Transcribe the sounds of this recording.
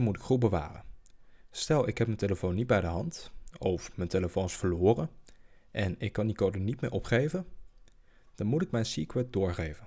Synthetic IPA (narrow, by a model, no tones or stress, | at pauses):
mutɪ̥kχubəʋa̰ːrə̰nstɛlˠɪkɦɛpmənteləfownːid̚bɛjdəɦɑntɔfmənteləfownsfəlʊːrə | ʔɛnɪkːɑndikowdənitmɪ̰ːɹʔɔpχejvən | d̥ɑnmutɪk̚mɛjnsikwɛt̚dʊːɹχejvən